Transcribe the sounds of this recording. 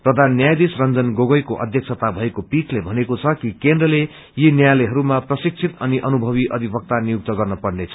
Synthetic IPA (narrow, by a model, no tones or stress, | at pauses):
prʌd̪ʱanːjajd̪isrʌnd͡zʌnɡoɡʌjkoʔʌ̰d̪ʱjʌk̚t͡sʰʌt̪abʱʌekopiʈlebʱʌnekot͡sʰʌkikend̪rʌle | jinjajleɦʌɾumaprʌsik̚t͡sʰit̪ʌniʔʌnubʱʌβiʔʌd̪ʱibʌk̚t̪anijuk̚t̪ʌɡʌrnʌpʌɽnet͡sʰʌ̥